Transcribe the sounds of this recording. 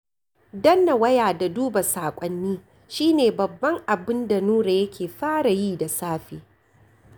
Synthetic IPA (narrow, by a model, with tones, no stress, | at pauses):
dɐ˦nːa˨wɐ˦jaː˨da˨duː˦ba˨saː˨kʷʼɐ˦nːiː˦ | ʃiː˦neː˨bɐ˨bːɐ˦ŋʔa˨bɪ˦nda˨nuː˦ɾa˨jɐ˦kʲeː˨ɸaː˦ɽa˨jiː˦da˨saː˦ɸeː˨